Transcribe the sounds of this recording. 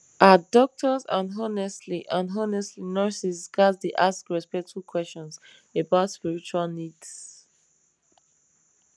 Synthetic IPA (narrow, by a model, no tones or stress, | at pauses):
ʔadɔk̚tʰəzãnɦɔnɛstliʔãnɦɔnɛstlinɜsisɡaddeʔaskɹɛspɛk̚tʰukʰwɛst͡ʃɔ̃ns | ebaʊtspiɹit͡ʃualˠnids